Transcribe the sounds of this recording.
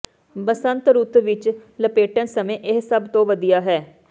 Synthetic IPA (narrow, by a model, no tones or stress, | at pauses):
bəsənt̪ɾuːt̪ʋɪt͡ʃləpeːʈənsəmẽːʔɪɦsəbt̪õːʋəd̪ijaːɦɛː